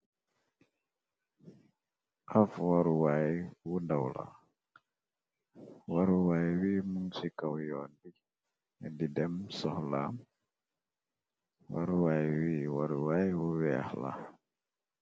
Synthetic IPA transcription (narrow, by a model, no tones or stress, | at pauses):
ʔafwaɾuwajwundawla̰ | waɾuwajwimuŋsikawjɔndi | ɛdidɛmsɔhlam | wa̰ɾuwajwiwaɾuwajwuwɛa̰hla̰